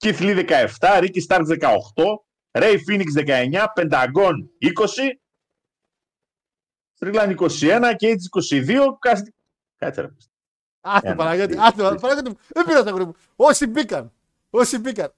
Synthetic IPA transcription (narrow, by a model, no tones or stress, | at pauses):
ciθliðe̞kɐe̞ft̪ɐɾicist̪ɐɾkzðe̞kɐo̰xt̪o̞ | ɾe̞jfiniksðekɐe̞ɲɐpe̞nd̪ɐɡo̞niko̞si | st̪ɾilɐniko̞sie̞nɐceit̪isi̥ko̞siðio̞kɐst̪i | kɐ̰t͡sḛɾɐ̰pist̪ | ɐipɐlɐkɐt̪iɐt̪ipɐpɐlɐkɐt̪̬imuðebiɾɐst̪ɐɣoɾimu | osibikɐn | osibikɐn